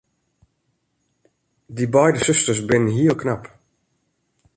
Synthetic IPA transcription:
dibɛjdəsɵstəsbɪnənɦiəlˠknap

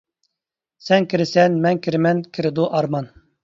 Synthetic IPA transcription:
sɛnkʲʰiɾɪsɛnmɛnkʲʰiɾɪmɛnkʲʰiɾɪd̪uʔɑɾmɑn

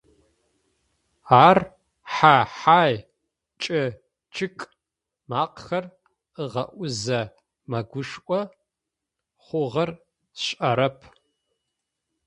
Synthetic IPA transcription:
aːr | ħaːħaːj | t͡ʃʼɪ | t͡ʃʼʰɨkʼ | maːqxɐr | ɨʁɐʔʷʊzɐ | mɐɡʷʊʂʔʷɔ | χʷʊʁɐr | ɕʼʔɐɾɐpʰ

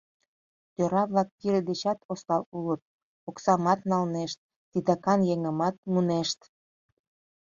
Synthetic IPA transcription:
t̪øɾɑβlɑk̚kiɾed̪et͡ɕɑt̪ost̪ɑlulət̪̚ | oksɑmɑt̪nɑlneʃt̪̚ːid̪ɑkɑnjeŋəmɑt̪̚muneʃt̪

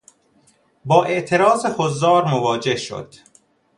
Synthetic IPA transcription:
bɒːʔe̞ʔt̪ʰeɾɒːzexozːɒːɾmovɒːd͡ʒe̞hʃo̰d̪̥

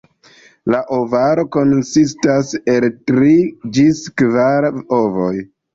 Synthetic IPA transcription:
laʔovaɾo̞ko̞nsistase̞ltɾid͡ʒiskvaɾo̞vo̞j

